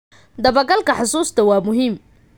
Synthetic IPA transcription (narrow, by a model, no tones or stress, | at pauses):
d̪ɐβɐɡɐlkʰɐħʊsuːst̪ʰɐwɑːmʊɦiːm